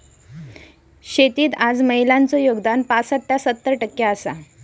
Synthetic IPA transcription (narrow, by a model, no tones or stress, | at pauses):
ɕet̪iːt̪ad͡zməɦilant͡sɔjoɡd̪anpasəʈːasət̪ːəɾʈəkːjaəsa